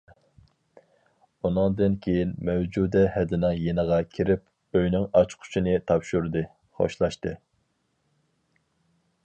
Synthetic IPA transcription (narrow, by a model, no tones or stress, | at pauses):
unɨŋd̪ɨnkʲʰejinmɛwd͡ʒud̪ɛhɛd̪ɪnɨŋjenəʁɑkʲʰiɾɪp̚ | øjnɪŋɑt͡ʃqʰʊ̥t͡ʃʰinɨt̪ʰɑpʃuɾd̪ɨ | χo̰ʃlˠɑʃt̪ɨ